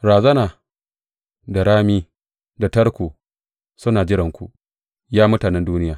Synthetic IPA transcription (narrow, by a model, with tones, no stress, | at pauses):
ɾaː˨zɐ˦naː˨ | da˨ɾaː˦miː˦ | da˨tɐ˦ɾkʷoː˨ | sʊ˦naː˨d͡ʒɪ˦ɾɐ˨ŋkʷṵ˨ | jaː˦mʊ˦taː˨nɛ˦nduː˦nɪ˦jaː˨